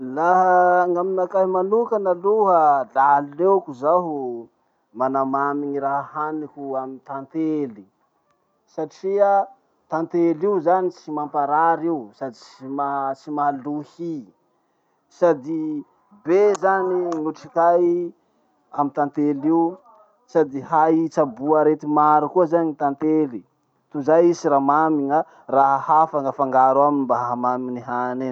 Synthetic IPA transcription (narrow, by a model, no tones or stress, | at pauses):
laɦəŋaminakaɦmanukanaluɦəlalewkuzaɦu | manamamiɲiɾaɦahanikuamit̪ant̪eli | saʈ͡ʂia | t̪ant̪eliuzanit͡simampaɾaɾiusad̪it͡simat͡simaluhi | sad̪i | bezaninuʈ͡ʂikaj | amit̪ant̪eliu | sad̪iɦajt͡sabuaɾet̪imaɾukuəzaɲit̪ant̪eli | t̪uzajisiɾamamiŋə | raɦhafaŋəfaŋɡaɾaminimbaɦaɦamaminiɦane